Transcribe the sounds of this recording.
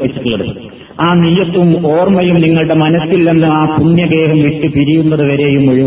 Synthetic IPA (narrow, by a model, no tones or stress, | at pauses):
pːit͡ɕːiʈːuɭːɐɽ | aːnijːɐt̪ːumo̞ːrmɐjumniŋːɐɭɽe̞mɐnɐsilːe̞nːuaːpunjɐɡe̞ːɦɐmʋiʈːɨpiɾijunːɐðɨʋɐɾe̞jumːoɻi